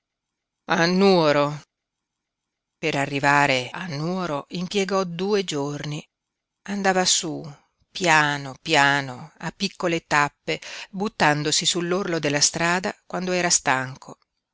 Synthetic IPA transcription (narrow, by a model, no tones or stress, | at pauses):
anːuːɾo | peɾarːivaːɾeanːuːoɾoimpjeɡɔd̪uːed͡ʒorni | and̪aːvasu | pjaːnopjaːnoapːikːolet̪apːebut̪ːand̪osisulːorlod̪elːast̪ɾaːd̪akwand̪oɛːɾast̪aŋkʰo